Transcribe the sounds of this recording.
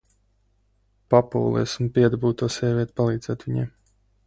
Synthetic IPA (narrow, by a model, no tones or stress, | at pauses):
papṵːlˠḭɛsumpʲiɛd̪abuːt̪uɔːsʲɛvʲiɛt̪palˠiːd̪zɛːt̪ʋʲiɲɛ̰ːm